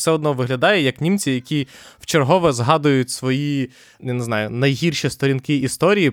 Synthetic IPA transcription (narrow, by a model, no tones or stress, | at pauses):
sɛɔd̪nɔʋɪɦlʲɐd̪ɑjɛjɐknʲimt͡sʲijɐkʲiwt͡ʃerɦɔʋɛzɦɑd̪ʊjʊtʲsʋɔji | janeznɑjʊnɐjɦʲirʃʲist̪ɔɾʲinkɪist̪ɔɾʲiji